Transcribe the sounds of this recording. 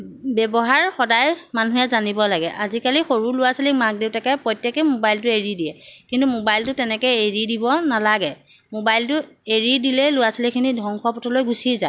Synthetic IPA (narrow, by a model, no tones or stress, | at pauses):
bɛbɔɦaɹxɔdajmanuɦɛzanibɔlaɡɛ̰ʔazikalixoɹulʊwasilikmak̚dewtakɛpɹɔjtːɛkɛmobajltʊeɹidijɛkintumobajltʊtɛnɛkɛjeɹidibɔnalaɡɛ | mobajltʊ | eɹidilɛlʊwasilikʰinidʱɔŋxɔpɔtʰɔlojɡusiza